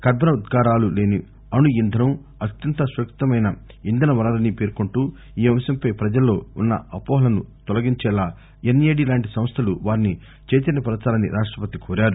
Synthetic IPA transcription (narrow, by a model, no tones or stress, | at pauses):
kɐɾbʱɐnɐud̪ɡaːɾaːlule̞ːni | ɐnuind̪ʱɐnɐm | ɐt̪jɐnt̪ɐsʋɐkt̪ɐmɐjnɐ | ind̪ʱɐnɐʋɐɾaːɾɐnipe̞ːɾkoɳʈuː | iːʋɐmʃɐmpɐjpɾɐd͡ʒɐlːo̞ːunːɐ̰ɐpɔːɦɐlɐnut̪ɔlɐɡiɲt͡ʃɛːlaː | enːijeːɽilaːɳʈisɐ̃mst̪ʰɐluʋaːɾini | t͡ʃeːt͡ʃ̪ɐnɐpɐɾɐt̪aːlɐnḭɾʔaːʂʈɾɐpɐt̪ikʰoːɾaːɾu